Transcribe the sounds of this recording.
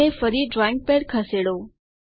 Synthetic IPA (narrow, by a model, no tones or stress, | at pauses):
efɐɾiɖɾaːɪ̃ŋɡ̚peːɽkʰɐseːɽoː